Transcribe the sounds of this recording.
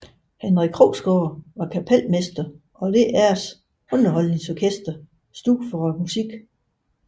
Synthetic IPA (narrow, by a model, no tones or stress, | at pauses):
hænʁikʰʁoʊsɡ̥ɔːʋɑ̈kʰæpʰel̰mesd̥ɐ | ʔɒ̽de̝ʔæɐs | ɔ̽nɐɦɒ̽l̰neŋsɒkʰesd̥ɐ | sd̥u̥fɒmusiɡ̥